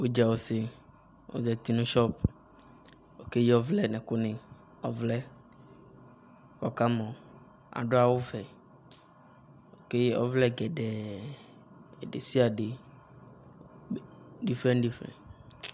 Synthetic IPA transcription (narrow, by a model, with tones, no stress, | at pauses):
wo˦d͡ʒa˨wo˦se˨ | wo̰˦zɛ˨t̪i˦nũ˦ʃɔ˦p | o˨ke˦ji˦ɔ˦vlɛ˦nɛ̃˨ko˦nẽ˨ | ɔ̰˦vlɛ˦ | kɔ˦ka˦mɔ̃˨ | a̰˨ɖo˦a˨wo˦vɛ˨ | wo˨ke˦ji˦ɔ̰˦vlɛ˦ɡɛ˨ɖɛ˨ | e˨ɖḛ˨si˦a˨ɖe˨ | ɖi˦fɾɛ̃˦nɖi˨fɾɛ̰̃˨n